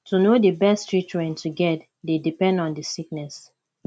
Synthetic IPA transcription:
tunodəbɛstɹit͡ʃɹɛ̃ntʰuɡɛt̚ | dedipɛ̃ndɔ̃ndəsik̚nɛs

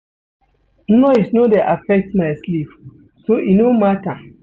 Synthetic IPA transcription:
nɔisnodeʔafɛk̚tmajslip | soʔinomata

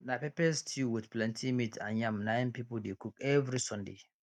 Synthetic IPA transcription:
napepɛstʰuwidplɛ̃ntʰimitã̰njãmnãjnpipɔldekukɛvɾisɔ̃ndḛ

